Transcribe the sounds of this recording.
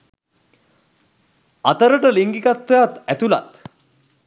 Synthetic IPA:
at̪əɾəʈəliŋɡiɡat̪ʋejat̪æt̪ula̰t̪

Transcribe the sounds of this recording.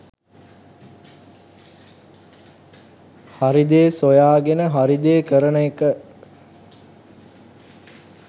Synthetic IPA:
haɾid̪eːsojaːɡenəɦaɾid̪eːkəɾənəekə

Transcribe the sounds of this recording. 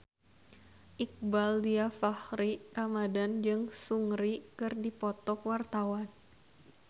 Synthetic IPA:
ʔik̚baldiafahɾiramadand͡ʒɨŋsuŋɾikɨrdipɔt̪ɔkwart̪awan

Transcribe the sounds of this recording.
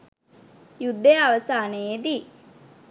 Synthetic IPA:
jud̪ːejaʋəsaːneed̪i

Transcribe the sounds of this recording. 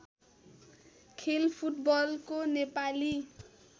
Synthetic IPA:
kʰelpʰuʈbʌlkonepali

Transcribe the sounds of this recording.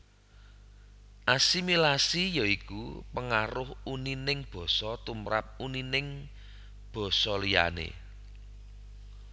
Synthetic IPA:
ʔasimilasijɔikupəŋaɾʊhuninɪŋb̥ɔ̤sɔt̪umɾa̰p̚uninɪŋ | b̥ɔ̤sɔlija̰nḛ

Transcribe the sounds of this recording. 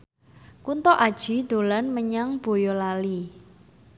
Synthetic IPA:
kunt̪ɔʔad̥ʒ̥i̤d̪̥o̤lanməɲaŋb̥o̤jɔlali

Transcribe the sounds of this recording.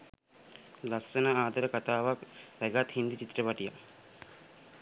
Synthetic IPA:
lassənəaːd̪əɾəkat̪aːʋakʋæɡat̪hind̪it͡ʃit̪ːrəpaʈija̰

